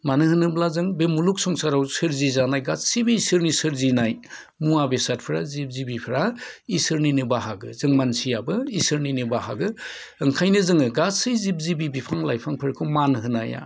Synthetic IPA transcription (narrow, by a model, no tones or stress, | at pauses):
manɯhɯnɯblazɯŋbemuluksɔŋsaɾawsɯɾzizanajɡatsibiisɯɾnisɯɾzinaj | muabesat̚pʰɾazip̚zibipʰɾaisɯɾninɯbaɦaɡɯ̰zɯŋmansijabɯisɯɾninɯbaɦa̰ɡɯ | ɯŋkʰajnɯzɯŋɯɡatsɯjzib̚zibibipʰaŋlajpʰaŋpʰɯɾkʰɯwmanɦɯnaja̰